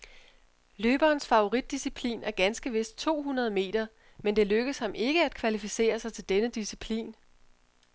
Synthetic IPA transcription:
løːb̥ɐːnsfɑ̈ʊo̝ʁid̥̚ːisipʰlḭːnæɐɡ̥ænsɡ̥əʋe̝sd̥̚t͡sʰo̝̰ːɦunɐð̞ˠme̝̰ːd̥ɐ | mend̥e̝løɡ̥əshɑ̈mʔe̝ɡ̥əæd̥kʰʋælifise̝̰ːɐsɑ̈ɪt͡sʰe̝ld̥enəd̥isipʰlḭːn

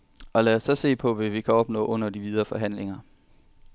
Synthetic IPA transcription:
ɒ̽læːɐsːɒ̽se̝̰ːpʰɒ̽ʋæʋikʰæɒ̽b̥nɔ̰̽ːʔɔ̽n̰ɐd̥iʋiðˠɐfɒ̽ɦæn̰leŋɐ

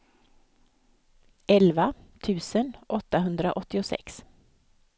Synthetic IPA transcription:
ʔɛlʋat̪ʰʉːsənʔɔt̪ːaɦɵnd̪ɾə̰ʔɔt̪ːɪɔsɛ̰ks

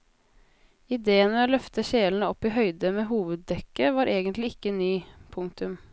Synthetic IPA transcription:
ɪd̪eːənɛoːlœft̪əʃeːln̩əɔpːiːɦœʏd̪əmeːɦuːʋəd̪̚dɛkːəʋɑːɾʔeːɡənt̪lɪɪkːənyːpʰʊŋt̪ʉm

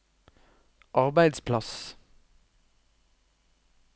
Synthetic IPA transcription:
ʔɑʁbæɪd̪spʰlɑs

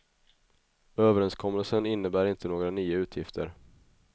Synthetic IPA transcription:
øːvəɾɛnskʰɔmːəlsənɪnːəbæːɾɪnt̪ʰənoːɡɾanyːaʉ̟ːt̪ʰjɪft̪ʰə̰ɾ

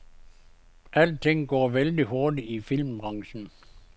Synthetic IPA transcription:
ʔæl̰d̥̚t͡sʰe̝ŋ̰ɡ̥ɒ̰ːʋeld̥iɦɔɐd̥iifil̰mb̥ʁɑ̈ŋɕn̩

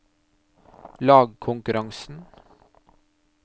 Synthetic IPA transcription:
lɑːɡkʰʊŋkʉɾʔɑŋsn̩

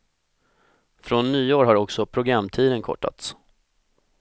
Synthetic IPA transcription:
fɾonːyːoːɾɦaɾɔksɔpʰɾʊɡɾamːt̪ʰiːd̪ənkʰɔ̰ʈːa̰t̪s

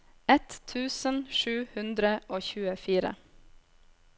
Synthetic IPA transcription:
ɛt̪ʰʉːsənʃʉːhʉnd̪ɾəʔoːçʉːəfiːɾə̰

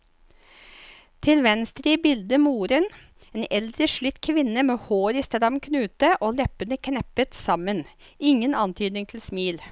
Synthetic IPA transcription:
t̪ʰɪlʋɛnst̪ɾiːbɪld̪əmuːɾən | eːnɛld̪ɾəʂɭʏt̪ːkʰʋɪnːəmeːhoːɾɪst̪əd̪ɑmkʰnʉːt̪əʔoːlɛpənəkʰnɛpət̪sɑmənɪŋənɑnt̪ʰyːd̪nɪŋt̪ʰɪlsmiːl

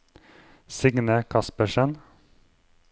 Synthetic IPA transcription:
sɪɡnəkʰɑspəʃən

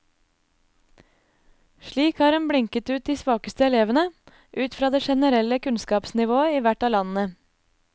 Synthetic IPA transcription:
ʃɭiːkhɑːɾɛnbɽɪŋkət̪ʉːt̪̚d̪iːsʋɑːkəst̪əɛleːʋənə | ʔʉːt̪fɾɑːd̪eːʃɛnəɾɛləkʰʉnskɑːpsnɪʋoːəiːʋæʈɑːlɑnn̩ə

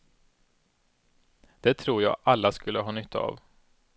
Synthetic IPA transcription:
d̪̥ɛt̪ʰɾuːɾjɑ̰ːɡʔalːaskɵlːəɦɑːnʏt̪ʰːa̰ːv

